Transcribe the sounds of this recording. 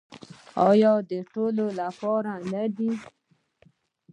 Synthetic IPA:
ɔjɔd̪əʈololapɔɾanad̪i

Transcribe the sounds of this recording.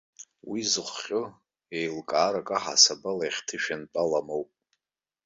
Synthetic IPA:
wizɨχʷːʲʼʊ | ejlkʼaːɾakʼaħa̰sabalajχʲtʰɨʃᶣant͡pʼalamowpʼ

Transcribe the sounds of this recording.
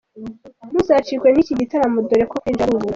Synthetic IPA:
muzat͡ʃikweniciɟitaɾamudoɾekokind͡ʒaɾuβu

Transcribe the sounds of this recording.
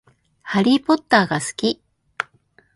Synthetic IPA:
haɾʲipo̞t̪ːaːɡasɨ̥kʲi

